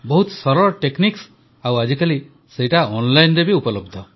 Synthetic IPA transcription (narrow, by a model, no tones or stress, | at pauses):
bɔɦut̪sɔɾɔɾɔʈekniks | awad͡ʒikali | sejʈaɔnlajnɾebiupɔlɔbd̪ʱɔ